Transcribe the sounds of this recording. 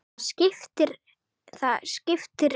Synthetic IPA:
scɪft̪ɪɾ | θaðscɪft̪ɪɾ

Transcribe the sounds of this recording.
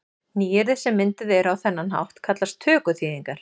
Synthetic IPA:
niːjɛɾðɪsɛmːɪnt̪ɪðɛɾawθɛnːanɦa̰wht̪kʰat̪last̪ʰœːkʏθiːðiŋkaɾ̥

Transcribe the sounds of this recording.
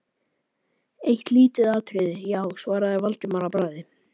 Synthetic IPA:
ejht̪liːt̪ɪðaːt̪ʰɾɪðɪjaːwsvaːɾaðavalt̪ɪmaɾapɾaːjðɪ

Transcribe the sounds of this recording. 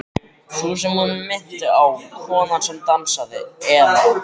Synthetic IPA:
sus̬ɛmhunʏmːɪn̥t̪ʏawkʰvɔːnansɛmt̪ansaðɪ̰ɛða

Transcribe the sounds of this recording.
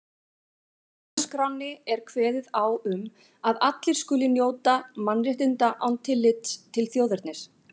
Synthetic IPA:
skɾawnːɪɛɾ̥kʰvɛːðɪðawʏm | aðat̪lɪɾ̥skʏːlɪnjoːwt̪amanːrɪht̪ɪnt̪aʔa̰wnt̪ʰɪlːɪt̪t̪ʰːɪlθjoːwðɛɾt̪nɪɾ̥

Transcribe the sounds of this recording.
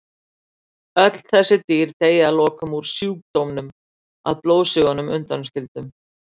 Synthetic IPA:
œt̪l̥θɛsːɪt̪iːɾt̪eːjalɔːkʏmuɾ̥sjuːk̚t̪owmnʏm | a̰ðploːwsʏɣanʏmʏnt̪anscɪlt̪ʏm

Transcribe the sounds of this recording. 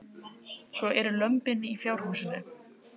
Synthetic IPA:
svɔʔɛɾʏlœmpɪnːɪifjawɾ̥ɦawsɪnːʏ

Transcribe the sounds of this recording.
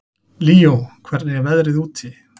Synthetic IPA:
liːokʰvɛɾnɪvɛðɾɪðuːt̪ʰi

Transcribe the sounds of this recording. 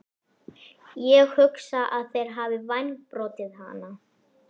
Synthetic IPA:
jɛɣhʏksaʔaðθejɾ̥ɦaːvɪvajnpɾɔːt̪ɪðɦa̰ːna

